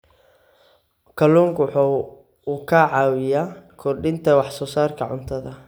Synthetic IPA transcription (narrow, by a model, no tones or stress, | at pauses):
kʰɐluːŋkwħu | uːkʰɐʕɑːwɪjakʰɔrɖɪnt̪ʰɐwɑħsɔːsaːrkʰɐʕʊ̰nt̪ʰɐðɐ